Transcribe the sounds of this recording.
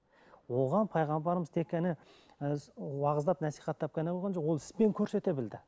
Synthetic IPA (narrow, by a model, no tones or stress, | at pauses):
wo̞ʁɑnpʰɑjʁɑmbɑɾəməzt̪ʰe̞kʲʰːenɪ | wɑʁəzd̪ɑpnæsijχɑt̪ʰːɑp̚kʲʰenebolʁɑnʃowolˠɪ̥spe̞ŋkʲʰɵɾse̞t̪e̞bɪld̪ɪ